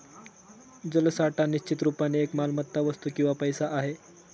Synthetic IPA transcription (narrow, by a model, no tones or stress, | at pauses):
d͡zəlsaʈaniɕt͡ɕit̪ɾupaniekmalmət̪ːaʋəst̪ukĩw̃ʋapəjsaʔaɦe